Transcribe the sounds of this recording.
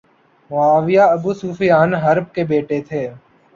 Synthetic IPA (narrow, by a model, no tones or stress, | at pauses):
mʊaːʋɪjaːəbuːsuːfijaːnɦəɾb̚kebeːʈet̪ʰeː